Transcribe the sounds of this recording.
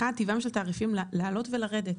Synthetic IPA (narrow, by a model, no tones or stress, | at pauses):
at̪ivamʃeltaːʁifimllaːlo̞tve̞laʁe̞det